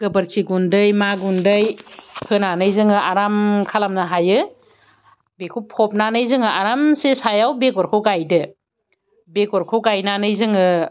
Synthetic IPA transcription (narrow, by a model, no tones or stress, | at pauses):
ɡ̥ɯbɯɾkʰiɡundɯjmaɡundɯjpʰɯnanɯjzɯŋɯʔaɾamkʰalamnaɦajɯ | bekʰupʰɔp̚nanɯjzɯŋɯʔaɾamsesajawbekɔɾkʰɯwɡajdɯ | bekɔɾkʰɯwɡajnanɯjzɯŋɯ